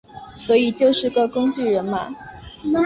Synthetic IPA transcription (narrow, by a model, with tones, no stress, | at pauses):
swɔ˧˥i˨˩t͡ɕjo˥˧ʊʂɻ̩˥˧ɡə˥˩kʊ˥ŋt͡ɕy˥˩ɻə˧˥nma̰˧